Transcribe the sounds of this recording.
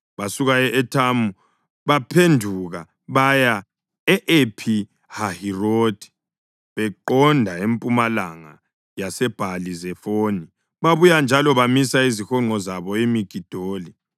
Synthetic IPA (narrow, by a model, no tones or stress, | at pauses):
βasuɣaɛʔɛtʰamu | βapʰendʱuɣa | βaja | ɛʔepʰi | hahiroːd̥ʱi̥ | βɛǃɔndʱaempʼumalaŋa | jasɛb̥ʱalizɛfoni | βaβujand͡ʒʱalɔβamisaizixɔŋ͡ǃʱɔzaβɔemiɡ̥ʱid̥ʱoːli